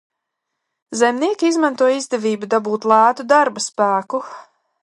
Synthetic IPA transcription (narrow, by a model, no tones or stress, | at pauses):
zɛmʲniɛkʲiizmant̪uɔjizd̪ɛviːbud̪abuːt̪lˠaːt̪ud̪aɾbaspæːku